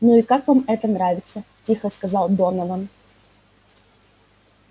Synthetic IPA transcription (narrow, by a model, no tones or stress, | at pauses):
nuikakvamɛt̪ənɾavʲɪt̪sə | tʲixəskɐzɑlˠd̪onəvən